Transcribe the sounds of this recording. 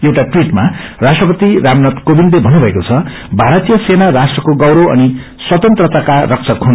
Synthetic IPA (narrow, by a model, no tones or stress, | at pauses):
ewʈaʈwiʈmarasʈrʌpʌt̪iɾamnʌt̪kobinlebʱʌnːubʱʌekot͡sʰʌ | bʱaɾʌt̪ijʌsenarasʈrʌkoɡʌwɾoʌ̰ni | swʌt̪ʌnt̪rʌt̪akarʌk̚t͡sʰʌkʰon